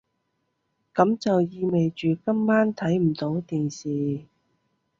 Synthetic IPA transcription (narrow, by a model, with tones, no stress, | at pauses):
kɐ˨˧˥mt͡sɐ˨wjiː˧me˨jt͡ʃyː˨kɐ˥mːaː˥nt̪ʰɐ˨˥jm̩˨˩t̪o˨˥wt̪iː˨nsiː˨